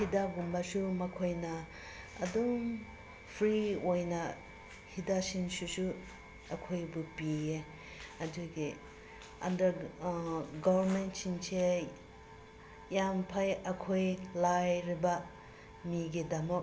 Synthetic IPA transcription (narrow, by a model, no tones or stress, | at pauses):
hidaɡumbɐsumɐkʰojnɐː | dum | pʰɾiojnɐ | hidasinsusu | ɐkʰojbupie | ɐduɡi | ɐ̰ndɐɾ | ɡɔwɐɾmentsinse | jampʰajɐkʰojlajɾibɐ | miɡidɐmɔ